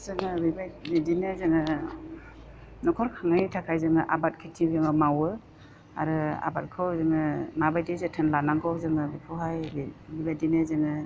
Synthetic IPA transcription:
zɯŋɯbibajbidinɯzɯŋɯ | nɔkʰɔɾkʰaŋantʰakʰajzɯŋɯʔabat̚kʰitʰibeŋɯmawɯ | a̰ɾɯa̰bat̚kʰɯwzɯŋɯmabajdezɯtʰɯnlanaŋkʰɯwzɯŋɯbipʰɔɦajbibajdinɯzɯŋɯ

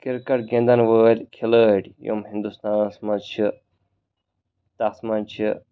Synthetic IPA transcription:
kiɾkɐʈɡẽnd̪ɐnʋəːlʲkʰiləːʈjo̰mɦĩnd̪ust̪aːnsmɐt͡ʃʰi | t̪ɐsmɐnt͡ʃʰi

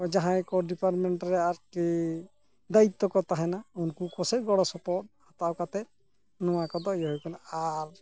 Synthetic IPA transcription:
ɔd͡ʒaɦãkɔɖipaɾmɛɳʈɾɛaɾki | d̪ait̪ːɔkɔt̪aɦɛnaunkukɔsɛɡɔɽɔsɔpɔʈ̚hat̪awkat̪ɛt̪̚ | nɔ̃wakɔd̪ɔjɔɦɔjkɔnaaɾ

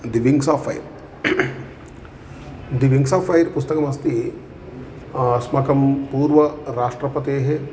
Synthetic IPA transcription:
d̪iʋiŋɡsaːfɐjɾ | d̪iʋiŋɡsaːfʰɐjɾpust̪ɐkɐmɐst̪i | smɐkɐmpuːɾʋɐɾaːʂʈɾɐpɐt̪eːɦe

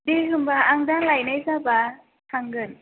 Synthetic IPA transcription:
deɦɯmbaːŋdaŋlajnajsaba | tʰaŋɡɯn

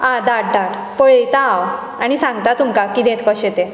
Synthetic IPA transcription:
ãd̪aʈ̚d̪aʈ | pəɭit̪aːw | aɽ̃isãŋɡt̪at̪umkakiːd̪ẽt̪kɔɕet̪e

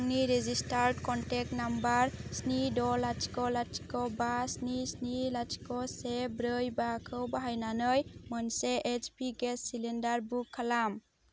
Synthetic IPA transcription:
ŋniɾezistaɾɖkɔnʈek̚nambaɾsnidɔlat͡ʃkɔlat͡ʃi̥kɔbasnisnilat͡ʃkɔsebɾɯjbakʰɯwbaɦajnanɯjmənseʔet͡ʃpiɡesːilendaɾbukʰːalam

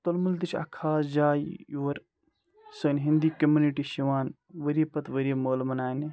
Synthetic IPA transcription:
t̪ɐlmult̪it͡ʃʰɐ̰kʰaːsd͡ʒaːjjoːɐɾ | sɐːnɦind̪iːkɐmuniʈiːʃiʋaːn | ʋəɾipɐt̪ʋəɾimoːlmɐnaːni

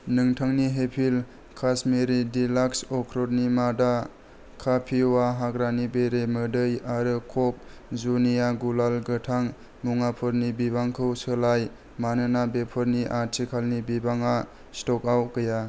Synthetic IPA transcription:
nɯŋtʰaŋniɦepʰil | kʰasmeɾidilaksɔkʰɾɔd̚nimada | kʰapʰiwaɦaɡɾanibeɾemɯdɯjaɾɯkʰɔp̚ | zunijaɡulalɡɯtʰaŋ | muŋapʰɯɾnibibaŋkʰɯwsɯlaj | manɯnabepʰɔɾniʔaɾtʰikʰalnibibaŋa | stɔkawkɯja

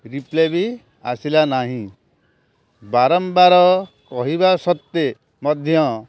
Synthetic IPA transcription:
ɾiplebi | asilanaɦĩ | baɾɔmbaɾɔ | kɔɦibasɔt̪ːe | mɔd̪ʱjɔ

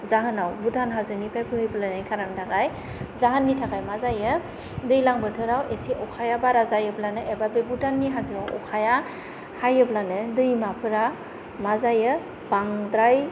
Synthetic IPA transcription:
zaɦɯnawbutʰanɦazɯnipʰɾajpʰɯhɯjbɯlanajkʰaɾantʰaɡaj | zaɦanːitʰaɡajmazajɯ | dɯjlaŋbɯtʰɯɾawʔesiʔɔkʰajabaɾazajɯblanɯʔebabebutʰanːiɦazɯawɔ̰kʰaja | hajɯblanɯdɯjmapʰɯɾa | mazajɯ | b̥aŋdɾaj

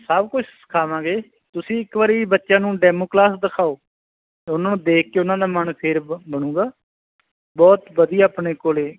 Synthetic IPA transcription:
səbkʊt͡ʃʰsə̥kʰaːʋãːɡeː | t̪ʊsĩːɪkʋaɾiːbətːʃãːnũːɖɛːmoːklaːsd̪əkʰaːoː | ʊnãːnũːd̪eːkʰkeːʊnãːd̪aːmənpʰɪɾbəɽ̃ũːɡaː | bɔːt̪bəd̪iːaːpɳeːkoːleː

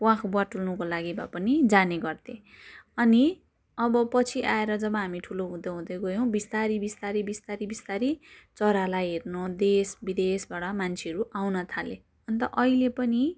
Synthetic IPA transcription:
wakʰbaʈulnukolaɡiba̰pʌnid͡zaneɡʌrt̪ʰe | ʌni | ʌbʌpʌt͡sʰiʔaeɾʌd͡zʌbʌ̃ɦamiʈʰuloɦũd̪ʌɦũd̪ʌɡʌjow̃bist̪aɾibist̪aɾibist̪aɾibist̪aɾit͡sʌɾalajɦernod̪esbid̪esbaɽʌmant͡sʰeʌɾuʔawnʌt̪ʰale | ʌnt̪ʌ̰ʔʌɦilepʌni

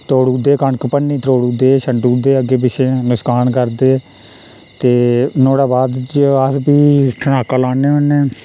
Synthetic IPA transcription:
t̪oːɽuːd̪eːkəɳkpənːĩːt̪ɾoːɽuːd̪eːʃəɳɖuːd̪eːəɡeːpɪʃʰeːnɪskaːnkəɾd̪eː | t̪eːnoːɽaːbaːd̪t͡ʃəspiːʈʰənaːkaːlaːneːʊneː

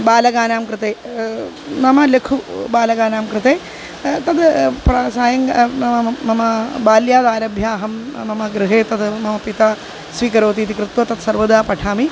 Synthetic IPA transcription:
baːlɐɡaːnaːmkɾɨt̪eː | mɐmɐlekʰubaːlɐɡaːnaːmkɾɨt̪eː | t̪ɐd̪pɾɐsaːjɐŋɡɐmɐmɐmɐbaːljaːd̪aːɾɐbʱjaːɦɐmmɐmɐɡɾɨɦeːt̪ɐd̪mɐmɐpit̪aː | sʋiːkɐɾoːt̪iːt̪ikɾɨt̪ʋɐt̪ɐt̪sɐɾʋɐd̪aːpɐʈʰaːmi

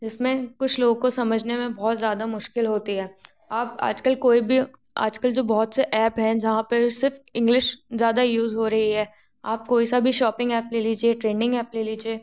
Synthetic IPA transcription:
d͡ʒɪsmẽkʊt͡ʃʰloːɡkosɐməd͡ʒʱnemẽbɔɦːt̪zjaːd̪amʊʃkɪlɦoːt̪iɦɛː | aːp̚a̰ːd͡ʒkəlkoːibʱi | a̰ːd͡ʒkəld͡ʒoːbɔɦʊt̪seʔɛːpɦɛ̃d͡ʒɐɦãpɐsɪɾfɪ̃ŋɡlɪʃzjaːd̪ajuːzɦoːɾɐɦiɦɛː | aːp̚koːisabʱiʃɔːpɪ̃ŋɡɛːpleliːd͡ʒieʈɾeːnɪ̃ŋɡɛːpleliːd͡ʒieː

